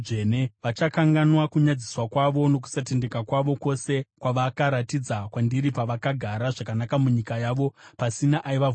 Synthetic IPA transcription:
ʐeneʋat͡ʃakaŋɡanwakuɲad͡ziswakwaʋo̞no̞k̬u̥sat̬e̞nde̞kakwaʋo̞ko̞se̞kwaʋakaɾatid͡zakwandiɾipaʋakaɡʱaɾaʐakanakamuɲikajaʋo̞pasinaʔaiʋa

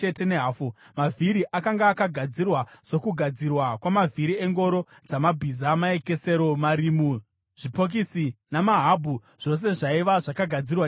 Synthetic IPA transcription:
ete̞ne̞ɦaːfu | maviɾiʔakaŋɡaːkaɡʱad͡zirwaso̞kuɡʱad͡zirwakwamavʱiɾie̞ŋɡo̞ɾo̞ | d͡zamabʱiːzamae̞ke̞se̞ɾo̞maɾimu | ʐ̥ipo̞k̬isinamaɦabʱu | ʐ̥o̞s̬e̞ʐaiʋaʐakaɡʱad͡zirwa

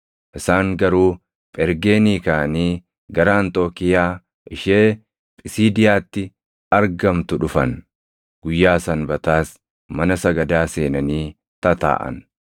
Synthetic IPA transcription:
ʔɪsaːŋɡɐɾuː | pʼɛɾɡe̞ːniːkaːniː | ɡɐɾaːnt̪o̞ːkɪjaː | ʔɪʃeː | pʼɪsiːd̪ɪjaːt̪ːɪ | ɐɾɡɐmt̪ʊᶑʊfɐn | ɡ̥ʊjːaːsɐnbɐt̪aːs | mɐnɐsɐɡɐd̪aːse̞ːnɐniː | t̪ɐt̪a̰ːʔɐ̰n

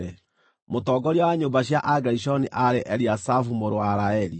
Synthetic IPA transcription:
ɛ | motɔːɡɔɾjɔwaɲombaɕjaʔaɡaɾiɕɔniʔaɾeʔɛɾiasafumoɾowaɾaɛɾi

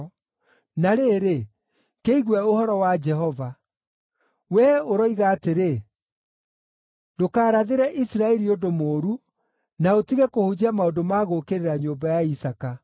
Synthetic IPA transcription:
naɾeɾe | keiɣwɛohɔɾɔwad͡ʒɛɦɔva | wɛoɾɔiɣaːteɾe | dokaːɾaðeɾɛʔisɾaɛɾiodomoːɾu | naotiɣɛkohod͡ʑamaodomaɣokeɾeɾaɲombajaisaka

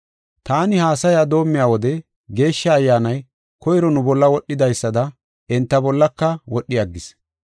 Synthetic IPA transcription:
t̪aːnɪhaːsɐjaːd̪o̞ːmːɪjaːwɔd̪ɛ | ɡe̞ːʃːɐːjːaːnɐj | kɔjɪɾɔnʊbɔlːɐwɔɗːɪd̪ɐjsːɐd̪ɐ | ɪnt̪ːɐbɔlːɐkːɐwɔɗːɪjɐɡːɪs

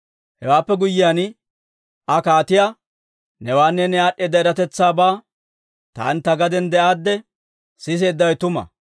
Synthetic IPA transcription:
hɛwaːpːɛɡʊjːɪjan | ɐkaːt̪ɪja | nɛwaːnːɛnɛaːɗeːd̪ːɐɛɾɐt̪ɛt͡sːaːbaː | t̪a̰ːnt̪ːɐɡɐd̪ɛnd̪ɛʔaːd̪ːɛ | sɪs̬eːd̪ːɐwɛt̪ʊmɐ̰

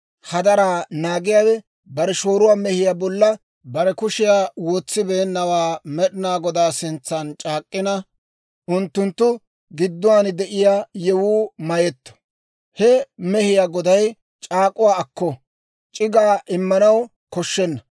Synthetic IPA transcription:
hɐd̪ɐɾaːnaːɡɪjaːwɛ | bɐɾɛʃo̞ːɾʊwaːmɛhɪjaːbɔlːɐ | bɐɾɛkʊʃɪjaːwoːt͡sːɪbeːnːɐwaːmɛɗɪnaːɡɔd̪aːsɪnt͡sːɐnt͡ʃʼaːkʼːɪnɐ | ʔʊnt̪ːʊnt̪ːʊ | ɡɪd̪ːʊwaːnd̪ɛʔɪjaːjɛwuːmɐjɛt̪ːɔ̥ | hɛmɛhɪjaːɡɔd̪ɐj | t͡ʃʼaːkʼʊwaːɐkːɔ | t͡ʃʼɪɡaːʔɪmːɐnɐw | kɔʃːɛnːɐ

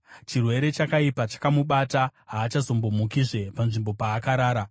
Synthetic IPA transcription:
t͡ʃirwe̞ɾe̞t͡ʃakaipat͡ʃḁkamuɓataɦaːt͡ʃazo̞mbo̞mukiʐe̞panʐimbo̞paːkaɾaːɾa

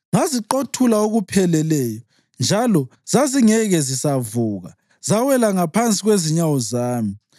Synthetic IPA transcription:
ŋaziǃotʰulaoɣupʰɛlɛlɛːjɔ | nd͡ʒʱalɔzaziŋɛɣɛzisavuːɣa̰ | zawɛlaŋapʰant͡sʼiɣweziɲawɔzaːmi

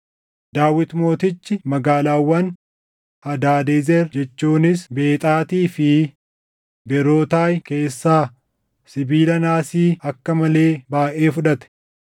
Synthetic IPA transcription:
d̪aːwɪt̪mo̞ːt̪ɪt͡ʃːɪmɐɡaːlaːwːɐn | hɐd̪aːd̪eːzɛɾd͡ʒɛt͡ʃːuːnɪsbe̞ːt̪ʼaːt̪iːfɪ | bɛɾo̞ːt̪aːjke̞ːsːaː | sɪbiːlɐnaːsiːɐkːɐmɐle̞ːbaːʔe̞ːfʊᶑɐt̪ɛ̥

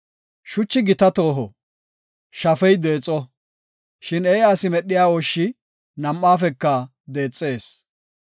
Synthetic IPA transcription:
ʃʊt͡ʃːɪɡɪt̪ɐt̪o̞ːɦɔ | ʃɐfɛjd̪e̞ːt͡sʼːɔ | ʃɪnɛjɐsɪmɛɗːɪjaːwɔʃːɪ | nɐmːaːfɛkːɐ | d̪e̞ːt͡sʼːeːs

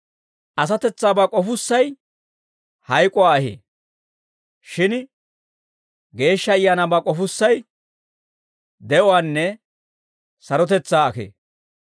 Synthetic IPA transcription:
ʔɐs̬ɐt̪ɛt͡sːaːbakʼɔfʊsːɐj | hɐjkʼɔaːɐhḛː | ʃɪn | ɡe̞ːʃːɐːjːaːnabaːkʼɔfʊsːɐj | d̪ɛʔɔwaːnːɛ | sɐɾɔt̪̬ɛt͡sːaːɐkḛː

